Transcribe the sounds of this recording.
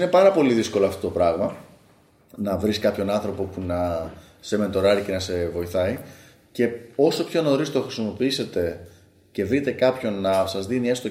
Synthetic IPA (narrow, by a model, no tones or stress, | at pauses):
ne̞pɐɾɐpo̞liðisko̞loɐft̪o̞t̪opɾɐɣmɐ | nɐvɾiskɐpço̞nɐnθɾo̞po̞punɐ | semet̪o̞ɾɐɾice̞nɐse̞vo̞iθɐi | ce̞o̞so̞pço̞no̞ɾist̪oxɾisimo̞piise̞t̪e̞ | ce̞vɾit̪e̞kɐpço̞nːɐsɐzðinie̞st̪o